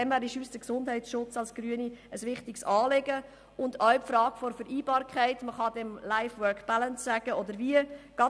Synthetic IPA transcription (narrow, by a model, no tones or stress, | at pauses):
ɛmvæːɾiʃysd̥əksʊndhɛɪt͡ssʃʊt͡sɑlsɡ̥ɾyəniəsʋɪχtɪksɑːleɡə | ʊndœɥpfɾɑːɡ̥fɔɾfəɾʔiːbɑːɾkʰχɛɪtməχɑdɛmlaɪfwœkb̥alənssæɡ̥əʔɔdəɾʋiəɡ̥ɑ